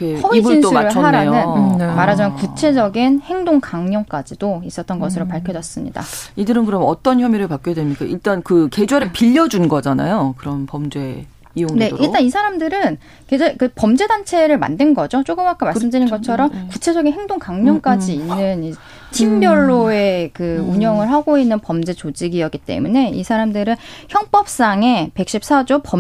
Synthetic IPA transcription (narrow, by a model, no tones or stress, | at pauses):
kesʌiinsʰuɾɯɭɦaɾanɯnmaɾɦad͡ʑimjʌnkut͡ɕʰe̞d͡ʑʌɡinhe̞ŋdoŋkaŋɲʌŋk͈ad͡ʑidois͈ʌt͈ʌnɡʌsʰɯɾopaɭkʰjʌd͡ʑʌs͈ɯmɲḭda̰idɯɾɯnkɯɾʌmʌt͈ʌnçjʌmiɾɯɭpak͈jedwemɲik͈aiɭt͈ankɯke̞d͡ʑweɾɯɭpiʎːʌd͡ʑunɡʌd͡ʑana̰jokɯɾʌnpʌmd͡ʑe̞ | ijoŋne̞ʔiɭt͈anisʰaɾamdɯɾɯn | ked͡ʑaikɯpʌmd͡ʑe̞dant͡ɕʰe̞ɾɯɭma̰ndenɡʌd͡ʑot͡ɕ͈oɡɯmak͈amaɭs͈ɯmdɯɾinɡʌt͡ɕʰʌɾʌmkut͡ɕʰe̞d͡ʑʌɡinhe̞ŋdoŋkaŋɲʌŋk͈ad͡ʑiːnːɯni | t͡ɕimbjʌɭːoe̞kɯuɲʌŋɯɭɦaɡoinːɯnpʌmd͡ʑe̞t͡ɕod͡ʑiɡiʌɡit͈e̞̰mune̞ḭsʰaɾamdɯɾɯnçjʌŋp͈ʌp̚s͈aŋe̞pe̞k̚ɕ͈ip̚s͈ʰad͡ʑopʌm